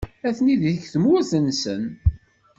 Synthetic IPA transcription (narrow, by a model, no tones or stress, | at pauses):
æθniðiəçθəmuæθənsə̰n